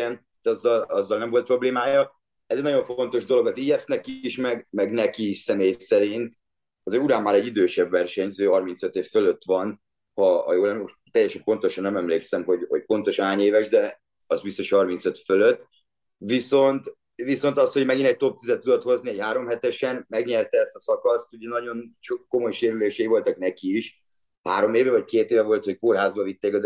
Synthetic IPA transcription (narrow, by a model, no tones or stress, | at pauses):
ɛnat̪ːɒzːɒlɒzːɒlnɛmvo̞lt̪̚pro̞bleːmaːjɒ | ɛzɛɟnɒɟo̞ɱfo̞nt̪o̞ʒd̪o̞lo̞ɡɒziːɛfnɛkiiʃmɛɡmɛɡnɛkiːʃsɛmeːjsɛɾint̪ | ɒzeːɾuɾaːmːaːɾɛɟːid̪øːʃɛbvɛrʃɛɲzøːɦɒrminsøt̪eːfføløt̪ːʋɒn | hɒ̰joːlɛm | t̪ɛjːɛʃɛmpo̞nt̪o̞ʃɒnːɛmɛmleːksɛmɦo̞ɟho̞̰ɟ̚po̞nt̪o̞ʃɦaːɲeːvɛʒd̪ɛ | ɒzbist̪o̞ʃhɒrmint̪søt̪føløt̪ː | viso̞nt̪ | viso̞nt̪ɒsho̞ɟmɛɡinɛc̚t̪o̞p̚t̪izɛt̪ːud̪ot̪ho̞zniɛchaːɾo̞mɦɛt̪ɛʃɛnmɛɡɲɛrt̪ɛɛst̪ɒsɒkɒst̪uɟɛnɒɟo̞nt͡ʃokːo̞mojʃeːɾyleːʃɛivo̞lt̪ɒknɛkiiʃ | haːɾo̞meːvɛvɒc̚keːt̪eːvɛvo̞lt̪hockorɦaːzbɒvit̪ːeːkɒz